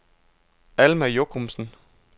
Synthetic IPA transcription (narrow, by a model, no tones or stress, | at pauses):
ælmæjokʰomsn̩